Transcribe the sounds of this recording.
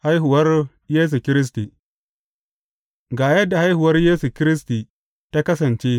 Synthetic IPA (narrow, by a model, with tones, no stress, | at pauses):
ha˦jɦʊ˨wɐ˦r | jeː˦s̬u˨kʲɪ˦ɾɪ˦s̬ti˨ | ɡaː˨jɐ˦dːa˨ha˦jhʊ˨wɐ˦rjeː˦su˨kʲɪ˦ɾɪ˦s̬ti˨ | ta˦kɐ˦sɐ˨nt͡ʃeː˦